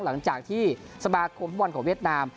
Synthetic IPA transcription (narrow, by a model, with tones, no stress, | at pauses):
la˩˦ŋt͡ɕaː˨˩k̚t̪ʰiː˥˩sa˧maː˧kʰo˧mt̪ʰːwnkɔː˩˦wi˥˩ət̪̚naː˧m